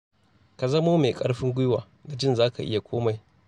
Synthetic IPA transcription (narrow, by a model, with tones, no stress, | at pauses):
ka˨zɐ˦moː˦me˨kʼɐ˦ɽɸɪ˦ŋɡʷʊ˦jwaː˨ | ɡa˨d͡ʒɪ˦nzaː˦ka̰˨ʔɪ˦ja˨kʷʰoː˦ma˨j